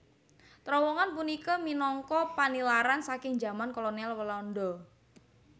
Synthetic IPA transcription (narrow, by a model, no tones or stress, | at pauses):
t̪ɾɔwɔŋanpunikɔminɔŋkɔpanilaɾansakɪŋd͡ʒa̤mankolonialwəlaɔndɔ